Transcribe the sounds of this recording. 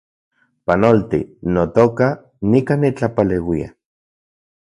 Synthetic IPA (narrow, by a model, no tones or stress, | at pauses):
panolt̪ḭnot̪oka | nikanit͡ɬapalewia̰